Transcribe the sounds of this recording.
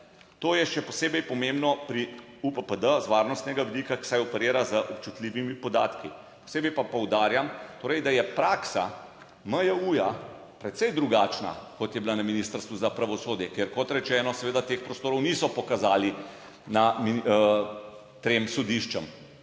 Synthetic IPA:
t̪oːjɛʃɛpɔseːbɛjpɔmembnɔpɾi | upəpəd̪əzʋaːɾnɔst̪nɛɡaʋid̪ikaki̥sajɔpɛɾeːɾazəʔɔpt͡ʃut̪liːʋimipɔd̪a̰ːt̪ki | po̥seːbɛjpapɔwd̪aːɾjamt̪oːɾɛjd̪ajɛpɾaːksa | məjauja | pɾɛt̪sɛjd̪ɾuɡaːt͡ʃna̰kɔt̪jɛblanaminiːst̪əɾst̪ʋuzapɾaʋɔsoːd̪jɛkeɾkɔt̪ɾɛt͡ʃɛːnɔsɛʋeːd̪at̪eːxpɾɔst̪oːɾɔwnisɔpɔkazaːli | nami | t̪emsɔd̪iʃt͡ʃəm

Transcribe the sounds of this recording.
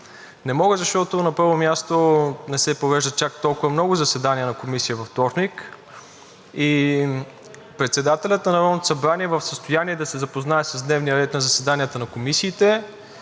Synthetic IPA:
nɛmɔɡəzɐʃt̪ɔt̪onɐpəɾvomʲjast̪onɛsɛpovɛʒd̪ət͡ʃak̚t̪ɔlˠkʊvɐmnɔɡʊzɐsɛd̪aniənɐkomisiəvɐft̪ɔɾnik | i | pɾɛt̪sɛd̪at̪ɛlʲət̪nɐnɐɾɔnot̪o̥sɐbɾaniɛvəfsəst̪ojaniɛd̪ɐsɛzɐpoznaɛsəzd̪nɛvniəɾɛt̪nɐzɐsɛd̪anijət̪ənɐkomisiːt̪ɛ

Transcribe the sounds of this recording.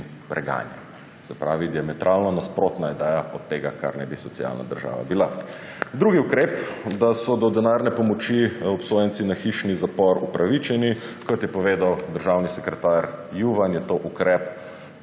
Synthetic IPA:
pɾɛɡa̰ːnjɛ̰n | sɛpɾaːʋid̪iamɛt̪ɾʔaːlnɔnaspɾot̪naid̪ɛːjaɔt̪ːeːɡaka̰ɾnɛbisɔtsia̰lna̰d̪əɾʒa̰ːʋa̰bila | d̪ɾuɡiukɾeːpd̪asɔd̪ɔd̪ɛnaɾnɛpɔmɔt͡ʃiɔpsoːjɛnt̪sinaxiʃnizapɔɾupɾaʋit͡ʃɛnikɔt̪jɛpɔʋeːd̪awd̪əɾʒaːwnisɛkɾɛt̪aɾjuʋanjɛt̪oːʔukɾɛp

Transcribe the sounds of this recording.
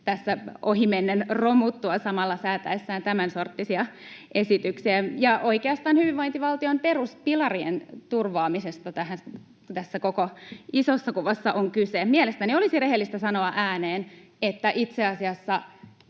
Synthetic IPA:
t̪æsːæohimenːenromut̪ːuɑsɑmɑlːɑsæːt̪æesːæːnt̪æmænsort̪ːisiɑʔesit̪yksiæjɑʔoikeɑst̪ɑːnhyʋiʋʋoint̪iʋɑlt̪iomperuspilɑriḛnt̪urʋɑːmisest̪ɑt̪æhæ | t̪æsːækokoisosːɑkuʋɑsːɑʔoŋkysemielest̪æniolisireɦelːist̪æsɑno̞ɑʔæːneːn | et̪ːæʔit̪seɑsiɑsːɑ

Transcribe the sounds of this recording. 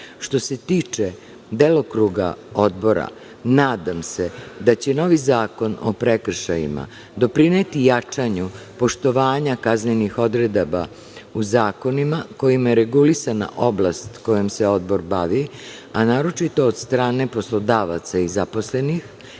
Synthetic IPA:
ʃt̪o̞se̞t̪iːt͡ʂe | d̪elˠo̞kɾuɡa̰o̞d̪̚bo̞ɾa̰ | naːd̪amse̞d̪at͡ɕe̞no̞ʋizaːko̞no̰pɾekr̩ʃajḭma̰ | d̪o̞pɾineːt̪ijat͡ʂaɲupo̞ʃt̪o̞ʋaːɲakaznenixo̞d̪ɾed̪aba̰ | uzaːko̞nimako̞jimajeɾe̞ɡulisana̰ʔo̞blˠast̪ko̞jemseo̞d̪bo̞ɾbaʋi | anaːɾo̞t͡ʃit̪o̞ːd̪st̪ɾaːne̞po̞slˠo̞d̪aːʋat̪saizaposlenix

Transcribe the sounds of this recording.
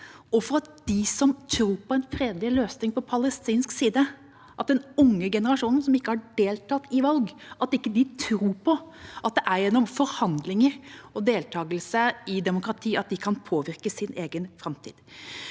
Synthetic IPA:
ɔfɔɾɑt̪̚d̪̥ɪsɔmt̪ʰɾuːɾpɔɛnfɾeːd̪lɪløːsnɪŋpɔpʰɑləst̪iːnsksiːd̪ə | ʔɑt̪̚d̪ɛnʊŋːəɡɛnəɾɑʂuːnən̩sɔmɪkːəhɑɖeːlt̪ʰɑt̪ːɪʋɑlɡʔɑt̪ɪkːəd̪ɪt̪ʰɾuːɾpʰɔʔɑt̪̚d̪ɛʔæɾjɛnːɔmfɔɾhɑnd̪lɪŋəɾɔd̪eːlt̪ʰɑːɡəlsəɪd̪ɛmʊkɾɑt̪ʰiːɑt̪̚d̪ɪkʰɑnpʰoːʋɪɾkəsɪnʔeːɡənfɾɑmt̪ʰḭːd̪̥

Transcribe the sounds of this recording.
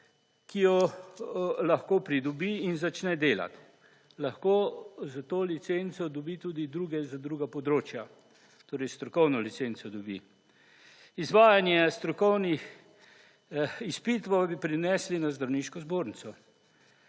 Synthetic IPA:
kijɔ | laxkoːpɾid̪ɔbiːnzat͡ʃnɛd̪eːla̰t̪ | laxkozat̪oːlit̪sent̪sɔd̪ɔbit̪uːd̪id̪ɾuːɡɛzad̪ɾuːɡapɔd̪ɾoːt͡ʃja | t̪oːɾɛjst̪ɾɔkɔwnɔlit̪seːnt̪sɔd̪ɔbḭ | izʋaːjanjɛst̪ɾɔkɔwnix | ispit̪ʋabipɾinɛslinazd̪ɾawniːʃkɔzboːɾnisɔ

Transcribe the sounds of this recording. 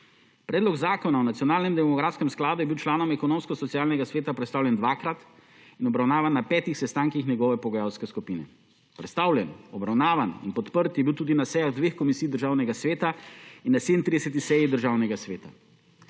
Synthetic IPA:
pɾɛːd̪lɔɡzaːkɔnawnat̪sijɔnaːlnɛmd̪ɛmɔɡɾaːt̪skɛmsklaːd̪ujɛbiwt͡ʃlaːnɔmɛkɔnoːmskɔsɔt̪siaːlnɛɡasʋeːt̪apɾɛt̪st̪aːwlʲjɛnd̪ʋaːkɾat̪ | inɔbɾawnaːʋanːapɛːt̪ixsɛst̪aŋkixnʲɛɡɔːʋɛpɔɡɔjawskɛskupiːnɛ̰ | pɾɛ̰t̪st̪aːwljɛnɔbɾawnaːʋaninpɔt̪pəɾt̪jɛbiwt̪uːd̪inasɛjaɣd̪ʋeːxkɔmisijd̪əɾʒaːwnɛɡasʋeːt̪ainːased̪nt̪ɾid̪ɛsɛt̪̬ixsɛjid̪əɾʒaːwnɛɡasʋeːt̪a

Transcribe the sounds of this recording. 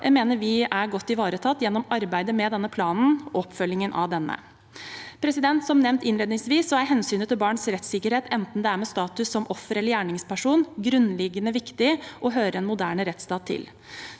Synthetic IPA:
jʔæ̰ɪmeːnəɾʋɪæɾɡɔt̪ːɪʋɑːɾət̪ʰɑt̪ːjɛnːɔmɑɾbæɪd̪əmɛd̪ɛnːəpʰlɑːnn̩ɔpːfœljɪŋənʔɑ̰ʋd̪ɛnːə̰ | pʰɾɛsɪd̪ɛnt̪sɔmnɛʋnt̪ɪnleːd̪nɪŋsʋiːsːɔæɾɦɛnsyːnət̪ʰːɪlbɑːɳsɾɛt̪sɪkːəɾheːt̪ʰɛnt̪n̩d̪ɛæɾmɛst̪ɑːt̪ʉsːɔmʔɔfːəɾɛləɾjæːɳɪŋspæʂuːnɡɾʉnːlɪɡːənəʋɪkt̪ɪʔɔɦøːɾəɛnmʊd̪æːɳəɾɛt̪st̪ɑːt̪ʰːɪ̰l

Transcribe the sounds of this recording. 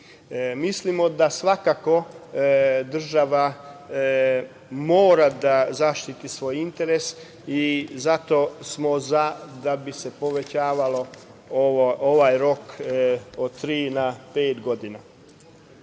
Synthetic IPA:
mislimo̞d̪asʋakako̞ | d̪r̩ʒaʋa | moːɾad̪azaʃt̪it̪isʋo̞ːjint̪e̞ɾes | izat̪o̞smozad̪abise̞po̞ʋe̞t͡ɕaːʋalo̞ooʋajɾo̞k | ot̪ɾiːnapeːt̪ɡo̞d̪ina

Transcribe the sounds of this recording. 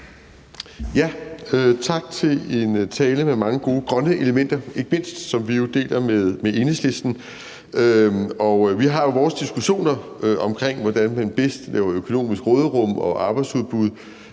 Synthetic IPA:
jæøt͡sʰɑ̈ɡ̥̚t͡sʰe̝le̝nt͡sʰɛːləmemɑ̈ŋəɡ̥o̝ːɡ̥ʁɶnəʔe̝ləmen̰d̥ɐe̝ɡ̥əme̝n̰sd̥sɒ̽mʋijo̝d̥e̝̰ːldɐmeðˠmeʔe̝nesle̝sd̥n̩ | øɒ̽ʋiɦɑ̈jo̝ʋɒːsd̥isɡ̥uɕo̝̰ːnɐ | øʔɒ̽mkʰʁeŋ̰ʋɒd̥ænmænb̥esd̥lɛ̰ːʊɐøkʰo̝no̝̰ːmisɡ̥ʁɔːð̞ˠəʁɔ̽m̰ɒ̽ʔɑ̈ːb̥ɑ̈ɪdsuð̞ˠb̥uð̞̰ˠ

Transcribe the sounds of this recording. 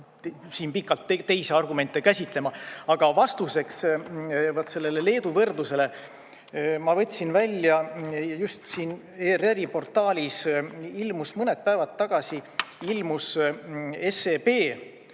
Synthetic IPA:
siːnpikːɑlt̪ːet̪ːe̞jseɑrɡume̞nt̪ːˑekæsʲit̪ˑle̞mɑɑɡ̥ɑvɑst̪use̞ks | vɑt̪se̞lːe̞le̞le̞ːd̪uvɤrd̪luse̞le̞ | mɑvɤ̞t̪ʲːsinvælʲːjɑjjust̪siːn | ereɾipo̞rt̪ːˑɑːlʲisilmusmɤnet̪̚pævɑt̪ːɑɡ̥ɑsiilmus | e̞sepe̞ː

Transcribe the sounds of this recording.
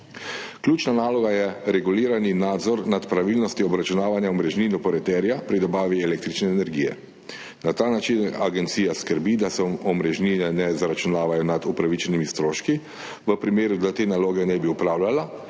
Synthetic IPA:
kljuːt͡ʃnanaːlɔɡajɛɾɛɡuliːɾaninaːd̪zɔɾnat̪pɾaʋilnɔst̪iɔbɾat͡ʃunaːʋanjaɔmɾɛʒninɔpɔɾɛt̪ɛɾjapɾid̪ɔbaːʋiɛleːk̚t̪ɾit͡ʃnɛːnɛɾɡiːjɛ̰ | nat̪aːnat͡ʃinaɡɛnt̪siːjaskəɾbid̪asɛɔmɾɛʒninɛnɛzaɾat͡ʃunaːʋajɔnad̪upɾaʋit͡ʃɛnimist̪ɾoːʃki | ʋəpɾimeːɾud̪at̪eːnaloːɡɛnɛbiupɾaːwlʲala

